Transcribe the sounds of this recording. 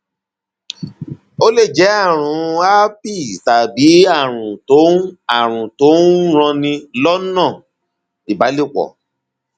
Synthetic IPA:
o˦le˦˨d͡ʒɛ˨˦a˦˨ɾ̃ũ˨˦a˦pi˦˨ta˨bi˨˦a˦˨ɾ̃ũ˨to˨˦a˨ɾ̃ũ˨to˨˦ɾ̃ɔ̃˧nĩ˧lɔ˦nã˦˨ | i˨ba˨˦le˦˨k͡pɔ̰˨

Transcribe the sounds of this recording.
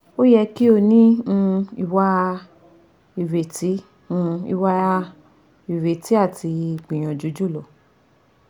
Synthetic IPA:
o˦jɛ˧ki˦o˧nĩ˦ũ˧i˧wa˧ | i˨ɾe˨ti˨˦ | ũ˧ḭ˧wa˧ | i˨ɾe˨ti˨˦a˦˨tʰi˧i˨k͡pĩ˨j̃ɔ̃˨d͡ʒu˨˦d͡ʒu˦˨lɔ˨

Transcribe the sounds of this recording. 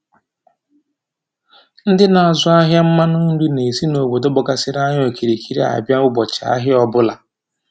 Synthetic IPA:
n̩˦dɪ˦na˨a˨zʊ˦a˦ɦja˦m̩˦ma˦nu˦n̩˦du˦ne˨si˦no˨ɡ͡bo˨do˦bɔ˨ka˦sɪ˦ɾa˦ɲ˦o˨ki˨ɾi˨kʰi˦ɾi˦a̰˨bja˦ʊ˦ɡ͡bɔ˨t͡ʃa̰˦ɦɪ˦ɔ˦bʊ˦la˨

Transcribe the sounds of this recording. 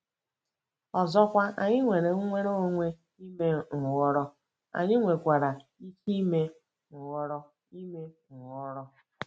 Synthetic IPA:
ɔ˨zɔ˦kʷa˦a̰˨ɲɪ˦ŋʷe˨ɾe˨ŋ̩˦ŋʷe˦ɾo˦o˦ŋʷe˦ | i˦me˦ŋ̩˨wɔ˦ɾɔ˦ | a̰˨ɲɪ˦ŋʷe˨kʷa˨ɾa˨i˦t͡ʃi˦me˦ | ŋ̩˨wɔ˦ɾɔ˦ | i˦me˦ | ŋ̩˨wɔ˦ɾɔ˦

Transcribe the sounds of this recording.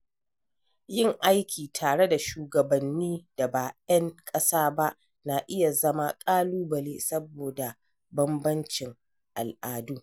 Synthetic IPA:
jɪ˦˨ŋʔa˦jkʲʰiː˨tʰaː˨ɽe˦da˨ʃuː˨ɡɐ˨bɐ˨nːiː˦d̥a˨baː˨ʔɐ˦ŋkʼɐ˦saː˦ba˦ʔ | na˨ʔɪ˦ja˨zɐ˦ma˦kʼaː˦luː˦bɐ˨leː˦sɐ˦boː˨da˨ | bɐ˦mbɐ˦nt͡ʃɪ˨ŋ | ʔa˨lʔaː˨duː˦

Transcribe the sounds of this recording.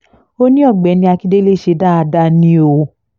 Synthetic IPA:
o˦nĩ˦ɔ˦˨ɡ͡bɛ˨˦nĩ˧a˧ki˦de˦le˦˨ʃe˧˦da˦a˧da˧nĩ˧˦o˧

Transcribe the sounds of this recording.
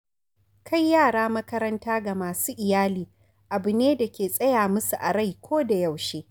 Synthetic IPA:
kʰa˦jːaː˦˨ɽaː˦mɐ˦kɐ˦ɾɐ˦ntaː˦ɡa˨maː˨suː˦ʔɪ˨jaː˦liː˨ | ʔa˨bɪ˨neː˦da˨kʲeː˨sʼɐ˦jaː˨mʊ˦su˨ʔa˨ɽa˦˨jkʷoː˦da˨jɐ˨wʃeː˦

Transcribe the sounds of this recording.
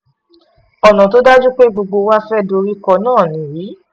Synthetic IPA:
ɔ˨nã˨to˦da˦d͡ʒu˦k͡pe˦ɡ͡bo˧ɡ͡bo˧wa˦fɛ˦do˧ɾi˦kɔ˧nãː˦˨nĩ˨˦jiː˨˦

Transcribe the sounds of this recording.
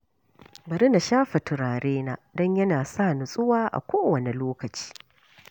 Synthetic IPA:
bɐ˨ɾɪ˦na˨ʃaː˦ɸɐ˨tʊ˨ɾaː˨ɾeː˦naː˦dɔ˦ɲjɐ˦naː˨saː˦˨nʊ˨sʼʊ˦waː˦ʔa̰˨kʷoː˦wɐ˨ne˨loː˦kɐ˨t͡ʃi̥ː˦

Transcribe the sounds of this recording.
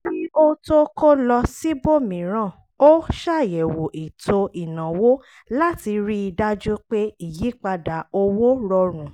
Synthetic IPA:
i˦o˦to˦ko˦lɔ˧si˦bo˦˨mĩ˨˦ɾ̃ã˦˨ | o˦ʃa˦˨jɛ˨wo˨ʔi˨to˧i˨nã˨wo˦ | la˦ti˧ɾi˦i˧da˦d͡ʒu˦k͡pe˦i˦˨ji˨˦k͡pa˧da˨o˧wo˦ɾɔ˧ɾ̃ũ˨

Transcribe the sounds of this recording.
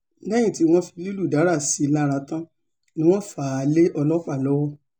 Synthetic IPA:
nɛ̃˦ĩ˦˨ti˨˦w̃ɔ̃˦fi˧lu˦lu˦˨da˨˦ɾa˦˨si˨˦la˦˧ɾa˧tã˦ | nĩ˦w̃ɔ̃˦fa˨˧˨le˦ʔɔ˧lɔ˦k͡pa˦˨lɔ˨˦wɔ˦˨

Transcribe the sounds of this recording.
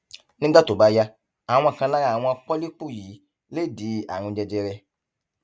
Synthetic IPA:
nɪ̃˦ɡ͡ba˦t̪o˨ba˦ja˦ | a˨ŋʊ̃˦a˨kʰã˦la˦ja˨nʊ̃˦a˨k͡pɔ˦li˦k͡pu˦ji˨ | le˦di˨˦a˨nʊ̃˨d͡ʒɛ˨d͡ʒɛ˦ɾɛ˦

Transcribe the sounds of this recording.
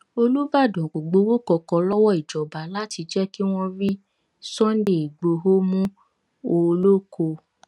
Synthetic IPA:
o˧lu˦ba˦˨dɔ̃˨ɡ͡bo˨ɡ͡bo˨˦wo˦kɔ˧kɔ˧lɔ˦wɔ˦˨i˨d͡ʒɔ˨ba˨la˦ti˧d͡ʒɛ˦ki˦w̃ɔ̃˦ɾi˦ | sɔ̃˦nde˨i˨ɡ͡bo˨˧ɦo˦mũ˦ | o˧lo˦kʰo˧

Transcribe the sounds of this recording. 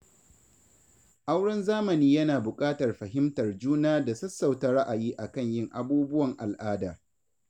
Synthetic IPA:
ʔa˦wɽɐ˦nzaː˦mɐ˨niː˦jɐ˦naː˨bʊ˨kʼaː˦tɐ˨rɸɐ˨ɦɪ˦mtɐ˨rd͡ʒuː˦naː˦da˨sɐ˦sːɐ˨wtɐ˦ɾa˦ʔa˨jiː˦ʔa˨kɐ˦˨ɲjɪ˦ŋʔa˨buː˦bʊ˦wɐ˨ŋʔa˨lʔaː˦daː˨

